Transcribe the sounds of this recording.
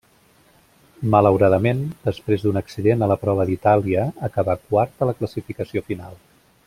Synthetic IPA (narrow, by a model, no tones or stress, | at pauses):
mələwɾaðəmend̪əspɾezd̪unəksiðenələpɾɔβəðit̪aliəːkəβakwaɾt̪ələkləsifikəsiofinalˠ